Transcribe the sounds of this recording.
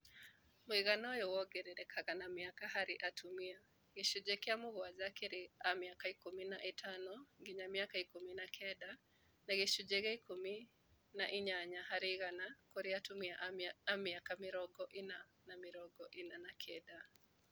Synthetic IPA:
muiɣanɔjɔwɔɡɛɾɛɾɛkʰaɣanamiakaɦaɾiʔatʰumia | ɣiʃud͡ʒɛkɛamuɣɔazakɛɾiamiakaikuminaʔitʰanɔŋɡiɲamiakaikuminakʰɛɗa | naɣiʃud͡ʒɛɣɛikumi | naʔiɲaɲahaɾiɣanakɔɾiatumiaʔaamiakamiɾɔɡɔʔina | namiɾɔɡɔʔinanakʰɛda

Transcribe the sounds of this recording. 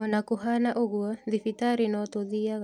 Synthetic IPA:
ɔnakuɦanaʔoɣuɔðifitaɾinɔtoðiaɣ

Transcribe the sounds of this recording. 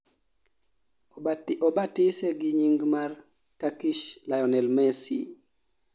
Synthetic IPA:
ɔbatɪsɛɡiɲiŋɡmarkakiʃlajɔnɛlmɛsḭ

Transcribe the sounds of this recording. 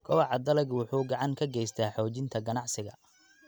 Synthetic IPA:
kʰɔwɑʕɑd̪ɐlɛɡwʊħuːɡɑʕɑŋkʰɐɡɛjst̪ʰaːħɔːt͡ʃɪnt̪ʰɐɡɐnɑʕsɪɣɐ̰

